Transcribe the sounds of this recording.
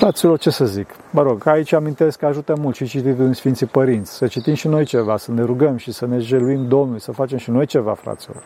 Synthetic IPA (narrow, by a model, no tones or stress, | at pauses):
fɾat̪silo̞rt͡ʃe̞səzik | məɾo̞ɡait͡ʃʲamint̪e̞skːəaʒut̪əmult̪ʃit͡ʃit̪it̪unʲsfint̪sipəɾint̪sʲsət͡ʃit̪imʃino̞jt͡ʃe̞vasəne̞ɾuɡəmʃisəne̞ʒeluimd̪o̞mnulʲsəfat͡ʃe̞mʃino̞jt͡ʃe̞va̰fɾa̰t̪silo̞̰r